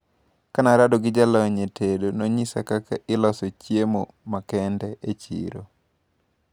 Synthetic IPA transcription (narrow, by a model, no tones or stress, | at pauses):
kanaɾadɔɡɪd͡ʒalɔɲetʰedonoɲisa̰kaka̰ʔɪlɔsɔt͡ʃjemo̰ | makɛndɛʔet͡ʃḭɾo̰